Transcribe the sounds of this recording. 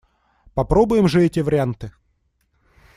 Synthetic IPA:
pɐpɾobʊjɪmʐɨɛtʲɪvəɾʲɪant̪ɨ

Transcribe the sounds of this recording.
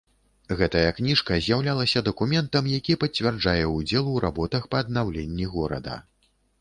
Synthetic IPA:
ɣɛt̪ɐjɐknʲiʂkɐzʲjawlʲalˠɐsʲɐd̪ɐkumʲɛnt̪ɐmjakʲipɐt͡sʲvʲard͡ʐajɛud͡zʲɛlˠuɾʔabɔt̪ɐxpɐːd̪̚nawlʲenʲːiɣɔɾɐ̰d̪ɐ̰

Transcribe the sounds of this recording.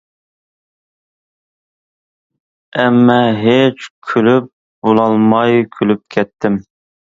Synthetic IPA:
ɛmːɛɦet͡ʃkʲʰylyp̚ | bolˠɑlˠmɑjkʲʰylyp̚kʲʰɛt̪ʰːɪm

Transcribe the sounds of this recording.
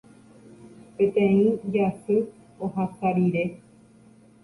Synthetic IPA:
pẽt̪ẽĩd͡ʒasɨ | oɦasaɾiɾe

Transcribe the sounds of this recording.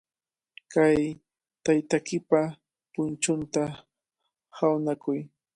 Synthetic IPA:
kaj | t̪ajt̪akɪpa | pʊnt͡ʃʊnt̪a | hawnakʊj

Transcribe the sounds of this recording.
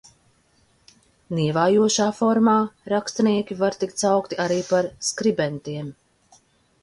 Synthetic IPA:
niɛvaːjuɔʃaːfɔɾmaːɾakst̪aniɛkʲivaɾt̪ikt̪sawkt̪iʔaɾiːpaɾskɾibɛnt̪iɛm

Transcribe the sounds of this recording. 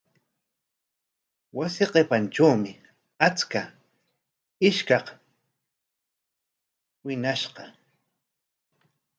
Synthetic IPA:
wasɪqepanʈ͡ʂawmɪ | at͡ska | ɪʃkɑq | wɪnaʃqɑ

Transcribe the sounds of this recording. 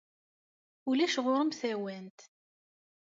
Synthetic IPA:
ulæʃʁoɾəmθæwænt̪

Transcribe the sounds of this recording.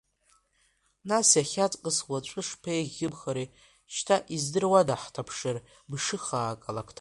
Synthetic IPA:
nasjaχʲat͡sʼqʼəswat͡ʃʷʼɨʂpʰejʁʲɪbχaɾe | ʃtʰaʔizdɨrwadaħtʰapʰʂar | bʂɨχaːkʼalakʰtʰ

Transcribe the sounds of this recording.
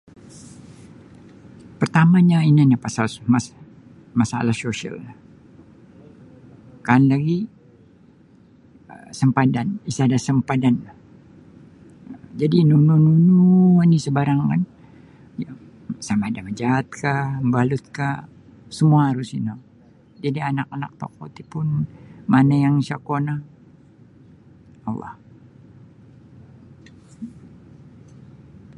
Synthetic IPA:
pərt̪amaɲainanapasalmas | masa̰lahsoʃia̰lah | kanlaɡi | əsəmpadanisadasəmpadanlah | əd͡ʒadinunununuuuanisəbaɾaŋka̰n | ja | samadaməd͡ʒaːt̪̚kambalʊt̪̚ka | səmuaɦaɾʊsino | d͡ʒadianakana̰k̚t̪a̰k̚o̰t̪ipʊnmanajaŋsakona | alːa̰h

